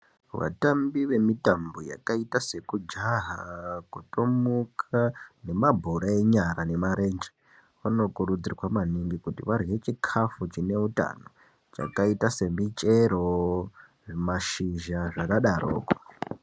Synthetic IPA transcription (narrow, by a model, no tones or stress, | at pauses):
ʋa̰tambiʋe̞mitamboja̰kaitase̞kud͡ʒaɦakutomukʰane̞mabʱoɾaeɲaɾane̞maɾe̞nd͡ʒe | ʋano̞kurud͡zirwamaniŋɡikutiʋariwet͡ʃikʰafut͡ʃine̞uta̰no | t͡ʃa̰kaitase̞mit͡ʃʼeɾo | ʐmaʃiʒaʐakaɗarʔo̰ːko̥